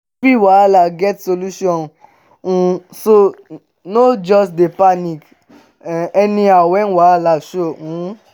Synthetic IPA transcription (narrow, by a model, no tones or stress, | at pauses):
fiwaalaɡɛtsoluʃɔ̃n | ũso | nod͡ʒɔsdepanik | ɛnĩawɛnwalaʃoũ